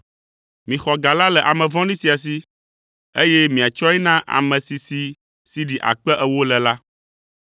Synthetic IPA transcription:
mĩ˨xɔ˨ɡa˨la˦lɛ˨ʔa˨mɛ̃˨vɔ̃˦nĩ˦si˨a˨s̬i˦ | e˦jɛ˦mĩ˨a˨t͡ʃɔ˦ɛ˦nã˦ʔa̰˨mɛ̃˨si˨si˨ | si˨ɖi˨ʔa̰˨k͡pɛ˦ʔɛ˨wo˦lɛ˨la˦

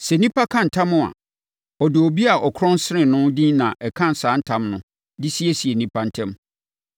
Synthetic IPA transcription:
sɛ˨nĩ˦pʰa˦kʰã˦˨n̩˨tʰã˦mʊ̃˦a̰˨ | ɔ˨dɪ˨o˨bi˦a˨ʔɔ˨kʰɾɔ̃˦n˦sɪ˦ɾɪ̃˨nʊ̃˦dĩ˦nã˨ʔɛ˨kʰã˦n̩˨saː˨˦n̩˦tʰã˦mnʊ̃˨˦ | dɪ˦si˦e˦si˨e˨nĩ˦pʰa˦n̩˦tʰɛ̃˦m

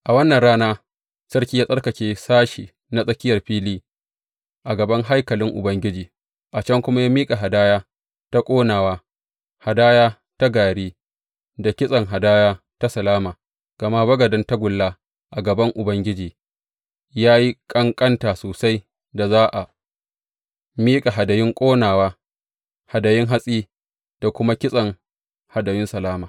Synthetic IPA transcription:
ʔa˨wɐ˦nːɐ˨nɽaː˦naː˦ | sɐ˦rkʲiː˦jaː˦sʼɐ˦rkɐ˨kʲeː˦saː˦ʃiː˨ | na˦sʼɐ˦kʲɪ˦jɐ˨rɸiː˦liː˦ | ʔa˨ɡɐ˨bɐ˦ŋɦa˦jkɐ˨lɪ˦ŋʔʊ̰˨bɐ˦ŋɡʲɪ˦d͡ʒiː˨ | ʔa˨t͡ʃɐ˦ŋkʷʊ˦ma˦jaː˦miː˦kʼa˨ɦa˨daː˦jaː˦ | ta˦kʷʼoː˦naː˨waː˦ | ha˨daː˦jaː˦ | ta˦ɡaː˨ɽiː˦ | da˨kʲɪ˦sʼɐ˨ŋɦa˨daː˦jaː˦ | ta˦sɐ˨laː˦maː˨ | ɡ̥ɐ˨ma˦bɐ˦ɡɐ˨dɐ˦nta˦ɡʷʊ˨lːaː˦ | ʔa˨ɡɐ˨bɐ˦ŋʔʊ˨bɐ˦ŋɡʲɪ˦d͡ʒiː˨ | jaː˦ji˦kʼɐ˦ŋkʼɐ˦ntaː˨soː˨sa˦j | da˨zaː˦ʔa˨ | miː˦kʼa˨ɦa˨dɐ˨jɪ˦ŋkʷʼoː˦naː˨waː˦ | ha˨dɐ˨jɪ˦ŋɦa˦sʼiː˦ | d̥a˨kʷʊ˦ma˦kʲɪ˦sʼɐ˨ŋ | ha˨dɐ˨jɪ˦nsɐ˨laː˦maː˨

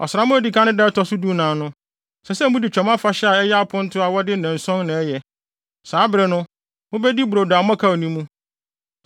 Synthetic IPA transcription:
ɔ̰˨sɪ˨ɾa˦mʊ̃˦ɛ˦˨di˨kʰã˦nʊ̃˦dɛ˦tɔ˨sʊ˦du˦nãː˨nʊ̃˦ | sɛ˨sɛ˦mũ˦di˨t͡ɕᶣɛ˨mã˦fa˨ɕɛ˦a˨ɛ˦jɛ˦a˦pʰʊ̃˦n̩˦tʰʊ˦a˨wɔ˦dɪ˦nɛ̃˨n̩˨sɔ̃˦nnɪ̃˨ɛ˦jɛ˨ | saː˨˦bɪ˨ɾɪ˨nʊ̃˦ | mʊ̃˦bɛ˦di˦bʊ˨ɾo˨da˨m˦ã˦kʰa˦o˨nĩ˦mũ˦

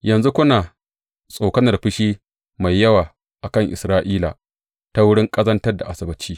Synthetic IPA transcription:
jɐ˨nzu˦kʷʊ˦naː˨ | sʼoː˨kɐ˦nɐ˨rɸɪ˦ʃiː˦ | ma˨jːɐ˦waː˨ | ʔa˨kɐ˦˨ŋʔɪ̰˨sɾaː˦ʔiː˦la̰˨ | ta˦wʊ˦ɽɪ˦ŋkʼɐ˦zɐ˦ntɐ˦rda̰˨ʔa˨sɐ˨bɐ˦t͡ʃiː˦

